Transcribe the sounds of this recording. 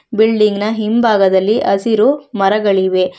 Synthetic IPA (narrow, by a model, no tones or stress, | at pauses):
bilɖiŋɡnɐɦimbʱaːɡɐd̪ɐlːiʔɐsiɾumɐɾɐɡɐɭiʋe̞